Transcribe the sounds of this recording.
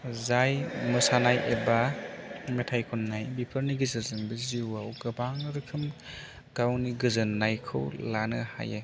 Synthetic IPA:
zajmɯsanajʔeba | metʰajkʰɔnːajbipʰɯɾniɡizɯɾzɯnbɯziwawɡɯbaŋɾɯkʰɯm | ɡ̥awniɡɯzɯnːajkʰɯwlanɯha̰je

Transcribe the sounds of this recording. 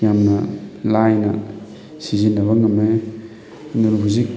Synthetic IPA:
jamnɐlajnɐ | sizinːɐβɐŋɐme | nuɾubuzik

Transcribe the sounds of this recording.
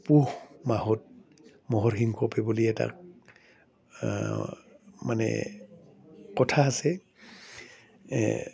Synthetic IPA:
puhmaɦɔt̚ | mɔɦɔɹxiŋkʰɔpɛbuliɛta̰ | manɛ̰ | kɔtʰaːsɛ

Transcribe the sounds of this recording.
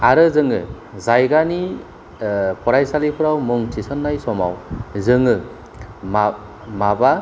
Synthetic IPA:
aɾɯzɯŋɯ | zajɡani | pʰɔɾajsalipʰɯɾawmɯŋtʰisɔnːajsɔma̰wzɯŋɯ | m | maba

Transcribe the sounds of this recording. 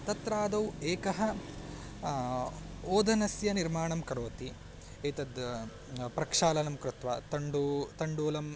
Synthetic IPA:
t̪ɐt̪ɾaːd̪ɐweːkɐɦɐ | oːd̪ɐnɐsjɐniɾmaːɳɐmkɐɾoːt̪i | ejt̪ɐd̪ | pɾɐkʂaːlɐnɐmkɾut̪ʋa̰t̪ɐɳɖut̪ɐɳɖuːlɐm

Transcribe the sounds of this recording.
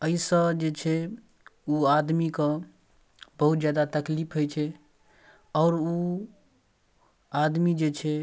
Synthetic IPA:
əisə̃d͡ʒet͡ʃʰɛ | uad̪mikə̃ | bəɦut̪̚d͡ʒjad̪at̪əklipʰɦojt͡ʃʰɛ | ɔːɾu | ad̪mid͡ʒet͡ʃʰɛ

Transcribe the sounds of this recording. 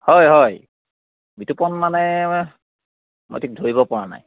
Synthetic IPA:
hɔjɦɔj | bitupɔnmanɛ | mo̰jtʰik̚dʱoɹibɔpɔɹana̰j

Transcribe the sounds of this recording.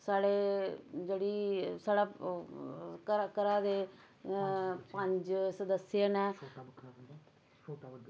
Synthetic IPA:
saːɽeːd͡ʒeːɽiːsaːɽaː | kəɾkəɾaːd̪eː | pə̃ɲd͡ʒsəd̪əsjənẽː

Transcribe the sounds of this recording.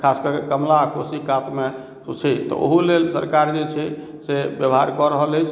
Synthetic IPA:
kʰaskəkekəmlakosikat̪me | sut͡ʃʰɛt̪ɔ̰ʔo̰ɦulelsə̰ɾkaɾd͡ʒet͡ʃʰɛ | sebjəbɦaɾkɔɾəɦələjt͡ʃʰ

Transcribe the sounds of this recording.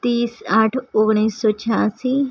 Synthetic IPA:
t̪iːsaʈʰoɡɳ̃iːsːɔt͡ɕʰaːsi

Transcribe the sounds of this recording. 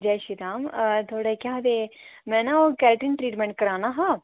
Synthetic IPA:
d͡ʒɛːʃiɾaːmt̪ʰoːɽekjãɦd̪eːmɛ̃ːnaoːkɛːlʈənʈɾiːʈmɛ̃ɳʈ̚kɐɾaːnaːɦãː

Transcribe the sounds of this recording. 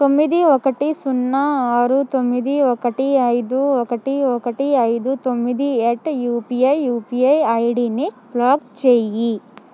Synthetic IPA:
t̪omːid̪iɔkɐʈisunːaaːɾut̪omːid̪iɔkɐʈiɐjd̪uɔkɐʈiɔkɐʈiɐjd̪ut̪omːid̪ieʈːjuːpijɐjjuːpiɐjɐjɖineplaːɡt͡ʃeji

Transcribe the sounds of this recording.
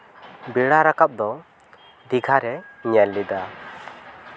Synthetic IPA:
biɽaɾakap̚d̪ɔ | d̪iɡʱaɾɛɲɛllid̪a

